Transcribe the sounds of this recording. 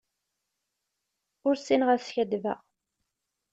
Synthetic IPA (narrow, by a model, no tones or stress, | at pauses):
ʊɾsinʁæsçæd̪væ̰